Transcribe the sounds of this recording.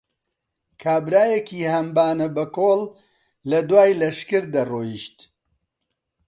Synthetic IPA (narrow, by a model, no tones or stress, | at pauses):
kʰaːbɾaːjekʰiːhɐmbaːnɐbɐkoːlː | ɐd̪waːjlɐʃkɨɾd̪ɐroːjiʃt̪